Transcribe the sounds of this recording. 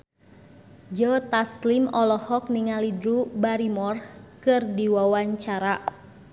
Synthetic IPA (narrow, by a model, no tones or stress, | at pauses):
d͡ʒɔt̪aslimɔlɔhɔk̚niŋalidɾubaɾimɔrkɨrdiwawaɲt͡ʃaɾa